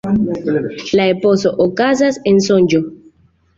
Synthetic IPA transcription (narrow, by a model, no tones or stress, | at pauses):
laepo̞soʔokazasensond͡ʒo